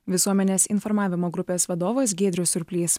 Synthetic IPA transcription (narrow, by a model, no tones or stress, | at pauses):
ʋʲɪsuɔmʲɛnʲeːsɪnfɔɾmɑːʋʲɪmoːɡɾʊpʲeːsʋɐd̪oːʋoːs̬ɡʲeːd̪ʲɾʲʊsʲʊɾʲpʲlʲiːs